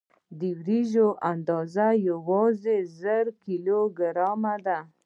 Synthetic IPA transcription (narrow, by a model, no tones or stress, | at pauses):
d̪iwɾiʒoʔand̪ɑzajawɑzezəɾkiloɡəɾɑmad̪a